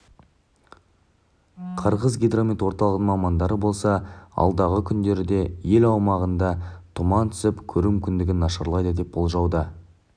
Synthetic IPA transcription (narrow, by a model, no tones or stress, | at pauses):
qʰəɾʁəzɡʲijd̪romʲit̪wo̞ɾt̪ɑlˠəʁd̪əmɑmɑnd̪ɑɾəbo̞lˠsɑɑ̰lˠd̪ɑʁəkʲʰʏnd̪e̞ɾɪd̪e̞je̞lɑwmɑʁənd̪ɑt̪ʰʊmɑnt̪ʰʏ̥sɪpkʲʰɵɾumʏkʲɪnd̪ɪɡʲɪnːɑʃɑɾlˠɑjd̪əd̪e̞p̚b̥o̞lˠʒɑwd̪ə